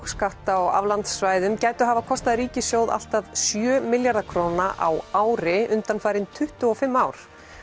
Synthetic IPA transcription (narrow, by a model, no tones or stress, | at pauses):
skaht̪aɔa̰vlant̪sːvaːjðʏmcaːjt̪ɔɦavakʰɔst̪aðɾiːcɪsjoːwða̰l̥t̪aðsjœːmɪljaɾðakʰɾownaʔa̰waːwɾɪʏnt̪anfaːjɾɪnt̪ʰʏht̪ʏɔfɪmːawɾ̥